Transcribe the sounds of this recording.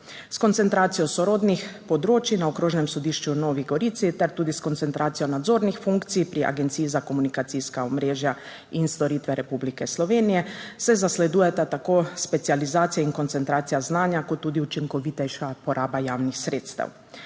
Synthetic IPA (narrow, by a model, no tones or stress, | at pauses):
skɔnt̪ɛnt̪ɾaːt̪sijɔsɔɾoːd̪nixpɔd̪ɾoːt͡ʃinaɔkɾoːʒnɛmsɔd̪iːʃt͡ʃunoːʋiɡɔɾiːt̪sit̪ɛɾt̪uːd̪iskɔnt̪sɛnt̪ɾaːt̪sijɔnad̪zoːɾnixfuŋkt̪sipɾiʔa̰ɡɛnt̪siːizakomunikat̪siskaɔmɾeːʒja | inst̪ɔɾiːt̪ʋɛɾɛpublikɛslɔʋeːnijɛsɛzaslɛd̪uːjɛt̪at̪akoːspɛt̪sializaːt̪sijaiŋkɔnt̪sɛnt̪ɾaːt̪sijaznaːnjakɔt̪ːuːd̪iut͡ʃiŋkɔʋit̪ɛʃapɔɾʔaːbajaːwnixsɾeːt̪st̪a̰w